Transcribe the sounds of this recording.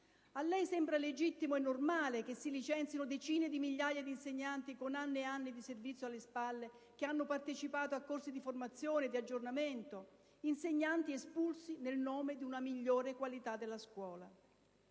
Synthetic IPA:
alːɛjsɛmbɾaled͡ʒit̪ːimoɛnːormaːlek̟esːilit͡ʃɛnt̪sinod̪et͡ʃiːned̪imiʎːaːjad̪inseɲːant̪ikonanːeeanːid̪iservit̪sːjoalːespalːe | keanːopart̪et͡ʃipaːt̪oakːorsid̪iformat̪sːjoːned̪iad͡ʒːornament̪o | inseɲːant̪iespulsinelnoːmed̪iunamiʎːoːɾekwalit̪ad̪elːaskwɔːla

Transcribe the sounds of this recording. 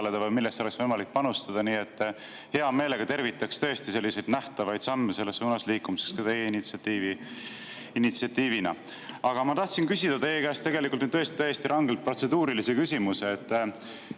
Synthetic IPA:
led̪ɑvɤjmilːest̪o̞le̞ksvɤjmɑlik̚pɑnust̪ɑd̪̥ɑniːe̞t̪ː | he̞ɑme̞ːle̞ɡ̥ɑt̪e̞rvit̪ːˑɑkst̪ɤ̞e̞st̪ise̞lːise̞jd̪̥næht̪ɑvɑjd̪̥sɑmːese̞lːe̞sːuːnɑsliːkːˑumise̞kskɑt̪e̞jeinit̪siɑt̪ːiːvi | init̪siɑt̪ːiːvinɑ̰ | ɑɡ̥ɑmɑt̪ɑht̪sinkysʲid̪̥ɑt̪e̞jːekæːst̪e̞ɡe̞likult̪nyt̪øest̪it̪ːest̪iɾʔɑŋɡ̥e̞lt̪̚pro̞t̪se̞d̪uːɾilisekysʲimuseːt̪ː

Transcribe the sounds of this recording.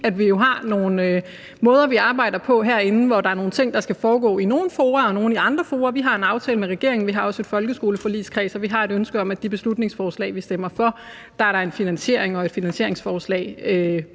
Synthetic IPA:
æd̥ʋijo̝ɦɑ̈no̝ːn̩ | mɔ̽ːð̞ˠɐʋiɑ̈ːb̥ɑ̈ɪ̰d̥ɐpʰɒ̽ɦæɐe̝nn̩ʋɒd̥ɑ̈æɐno̝ːn̩t͡sʰe̝ŋ̰d̥ɑ̈sɡ̥æfɒːɡ̥ɔ̰̽ːino̝ːn̩foːɐɒ̽no̝ːn̩iɑ̈nd̥ʁɐfoːɐʋiɦɑ̈e̝nɑ̈ʊt͡sʰɛːləmeʁɛɡ̥e̝ɐ̰e̝ŋn̩ʋiɦɑ̈ɒ̽se̝d̥fɒ̽lɡ̥əsɡ̥o̝ːləfɒ̽lḭːskʰʁɛ̰ːsɒ̽ʋiɦɑ̈e̝ɾønsɡ̥əɒ̽mæd̥ib̥e̝slud̥ne̝ŋsfɒːslɛ̰ːʋisd̥emɐfɒ̽ | d̥ɑ̈æɐɾɑ̈e̝nfinænɕe̝ɐe̝ŋɒ̽e̝d̥finænsɕe̝ɐ̰e̝ŋsfɒːslɛ̰ːɪø

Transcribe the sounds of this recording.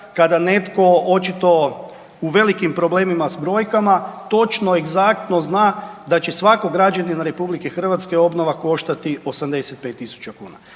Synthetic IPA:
kad̪ane̞t̪ko̞ot͡ʃit̪o̞ | uʋe̞likimpɾo̞ble̞ːmimasbɾo̞ːjkamat̪o̞t͡ʃno̞e̞ɡzak̚t̪no̞znaːd̪at͡ɕe̞sʋako̞ɡɾad͡ʒaninaɾe̞publikexr̩ʋat̪ske̞o̞bno̞ʋako̞ʃt̪at̪io̞samd̪e̞set̪̚pe̞ːt̪ːisu̥t͡ʃakṵːna̰

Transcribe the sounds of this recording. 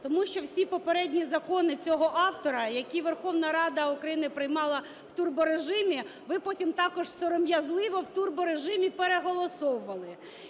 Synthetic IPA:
t̪ɔmuʃt͡ʃɔwsʲipɔpeɾɛdʲnʲizɐkɔnɪt͡sʲɔɦɔʔɑwt̪ɔɾɐjɐkʲiʋerxɔwnɐɾɑd̪ɐukɾɐjinɪpɾɪjmɑlˠɐ | w̥t̪urbɔɾeʒɪmʲiʋɪpɔtʲimt̪ɑkɔʒsɔɾɔmjɐzlˠɪʋɔwt̪urbɔɾeʒɪmʲipeɾeɦɔlˠɔsɔwʊʋɐlˠɪ

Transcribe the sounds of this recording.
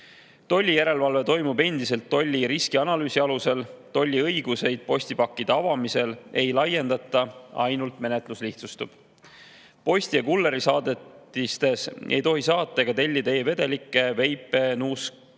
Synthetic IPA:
t̪o̞lʲːijæɾe̞lvɑlve̞t̪o̞jmube̞nd̪̥ise̞lt̪ːo̞lʲːiɾiskiɑnɑlyːsiɑluselt̪o̞lʲːiɤjɡ̥use̞jd̪̥̚po̞sʲt̪ipɑkːid̪̥ɑɑvɑmise̞le̞jlɑje̞nd̪̥ɑt̪ːˑɑɑ̰jnult̪me̞ne̞t̪lusliht̪sust̪ub̥ | po̞sʲt̪iɑkulːe̞ɾisɑːd̪et̪ːist̪e̞sʔe̞̰jt̪o̞ɦisɑːt̪ːˑɑkɑt̪e̞lʲːid̪ɑe̞ːve̞d̪e̞likːˑe̞ve̞jpːˑe̞nuːsk

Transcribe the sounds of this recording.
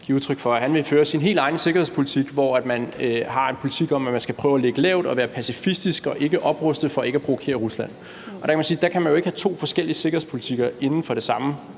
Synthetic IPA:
ɡ̥ḭɐuð̞ˠt͡sʰʁœɡ̥fɒ̽æhænʋe̝føːɐsinɦe̝̰ːld̥ɑ̈ɪnəse̝ɡ̥ɐhe̝spʰo̝lit͡sʰiɡ̥ʋɒæd̥mænhɑ̈e̝npʰo̝lit͡sʰiɡ̥ɒ̽m̰æmænsɡ̥æpʰʁœːʊæleɡ̥əlɛ̰ʊd̥ɒ̽ʋæːɐpʰæsifisd̥isɡ̥ɒ̽ʔe̝ɡ̥əʔɒ̽b̥ʁœsd̥ð̩ˠfɒ̽e̝ɡ̥æpʁoʋokʰe̝̰ːɐʁuslæn̰ | ɒd̥ɑ̈kʰæmænsiːd̥ɑ̈kʰæmænjoe̝ɡə̥hæt͡sʰo̝̰ːfɒ̽sɡ̥el̰iəse̝ɡ̥ɐhe̝̰spʰo̝lit͡sʰiɡ̥ɐe̝nn̩fɒ̽ɾ̥e̝sɑ̈mə

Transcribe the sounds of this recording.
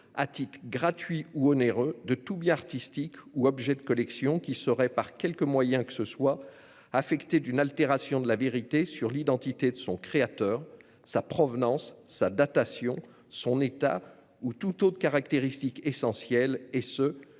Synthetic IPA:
at̪it̪χɡʁat̪ɥiuɔneʁød̪ət̪ubjɛ̃aʁt̪ist̪ikuɔbʒɛd̪əkɔlɛksjɔ̃kʲisəʁɛpaʁkʲɛlkəmwajɛ̃kə̥səswa | afɛkt̪ed̪ynalt̪eʁasjɔ̃d̪əlaveʁit̪esyʁlid̪ɑ̃t̪it̪ed̪əsɔ̃kχeat̪œːʁ | sapχɔvnɑ̃sːad̪at̪asjɔ̃ | sɔ̃net̪a̰ | ut̪ut̪ot̪χəkaʁak̚t̪eʁist̪ikesɑ̃sjɛlesə

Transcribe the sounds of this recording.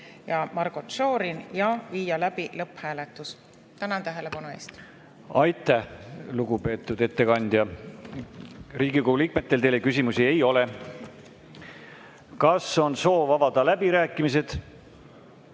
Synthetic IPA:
jɑmɑrɡot̪ʃoːɾinjɑviːjɑlæb̥ilɤpːhæːlet̪ːˑus | t̪ænɑnt̪æɦele̞pɑnuḛːst̪ | ɑjt̪ːˑæhluɡupe̞ːt̪ːˑud̪̥e̞t̪ːe̞kɑnʲd̪jɑ | riːɡikoulik̚me̞t̪ˑːe̞lt̪e̞jle̞kys̬ʲimusie̞jo̞le | kɑso̞nso̞ːvɑvɑd̪̥ɑlæbiɾæːkːˑimis̬e̞d̪̥

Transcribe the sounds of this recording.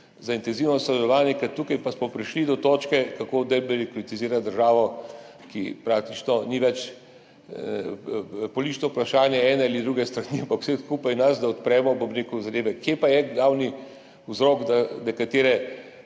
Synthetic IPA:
zaint̪ɛnziwnɔsɔd̪ɛlɔʋaːnjɛkɐt̪ːuːkajpasmɔpɾiʃlid̪ɔt̪oːt͡ʃkɛkakoːd̪ɛjbɛlikɾit̪iziːɾad̪əɾʒaːʋɔ | kipɾaːk̚t̪it͡ʃnɔniʋɛt͡ʃ | pɔlit̪it͡ʃnɔpɾaʃaːnjɛɛːnɛalid̪ɾuɡɛst̪ɾaniampakw̥sɛskuːpajnazd̪aɔt̪pɾɛːmɔpobɾeːkuzad̪eːʋɛkjeːpajɛɡlaːwni | uzɾɔːɡd̪anɛkat̪eːɾɛ

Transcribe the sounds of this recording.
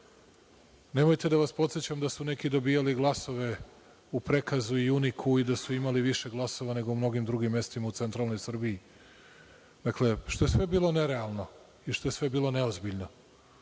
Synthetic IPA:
ne̞mojt̪e̞d̪aʋaspo̞t̪set͡ɕamd̪asune̞kid̪o̞bijaliɡlˠaso̞ʋe̞ | upɾe̞kazuiunikʰuid̪asuimaliʋiʃeɡlˠaso̞ʋane̞ɡo̞umno̞ɡimd̪ɾuɡimːe̞st̪imaut̪se̞nt̪ɾalˠno̞jsr̩bii | d̪̥akle̞ʃt̪o̞je̞sʋe̞biːlˠo̞ne̞ɾealˠno̞ | iʃt̪o̞jesʋe̞biːlˠo̞ne̞ozbiʎno̞

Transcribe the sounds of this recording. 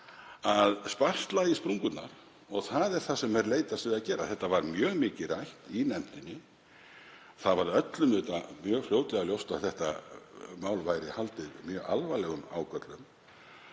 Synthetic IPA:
aðspar̥t̪laispɾuŋkʏt̪na̰ɾ̥ | ɔɣθaðɛɾ̥θasɛmɛɾleːjt̪ast̪vʏðaðcɛːɾa̰θɛht̪ːavaɾmjœːɣmɪːcɪrajht̪inɛm̥t̪ɪnːɪ | θavaɾœt̪lʏmʏt̪amjœːɣfljoːwt̪lɛɣaljowst̪awθɛht̪a̰maːwlvajɾɪhalt̪ɪðmjœːɣa̰lvajlɛɣʏma̰ːwkœt̪lʏm

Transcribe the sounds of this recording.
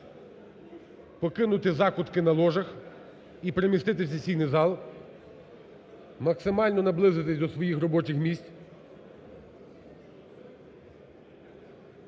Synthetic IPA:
pɔkɪnʊt̪ɪzɑkʊt̪kɪnɐlˠɔʒɐx | ipɾemʲist̪ɪt̪̬ɪwsʲɐsʲijnɪjzɑlˠ | mɐksɪmɑlʲnɔnɐblˠɪzɪt̪ɪsʲd̪ɔsʋɔjixrɔbɔt͡ʃɪxmʲisʲtʲ

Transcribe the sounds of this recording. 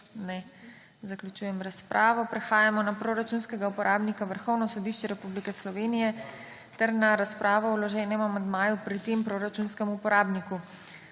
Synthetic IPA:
nɛ | zaklʲjut͡ʃuːjɛmɾaspɾʔaːʋɔpɾɛxaːjamɔnapɾoːɾat͡ʃunskɛɡaupɔɾʔaːbnikaʋəɾxɔwnɔsɔd̪iʃt͡ʃɛɾɛpublikɛslɔʋeːnijɛ | t̪ɛɾnaɾaspɾʔaːʋɔɔlɔʒɛːnɛmamand̪maːjupɾit̪empɾoːɾat͡ʃunskɛmupɔɾaːbniku

